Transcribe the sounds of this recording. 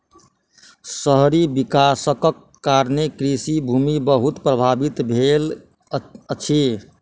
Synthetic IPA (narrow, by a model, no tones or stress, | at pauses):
səɦɾibikasəkəkːaɾnekɾisibʱumibəɦut̪pɾəbʱabit̪bʱel | ət͡ʃʰi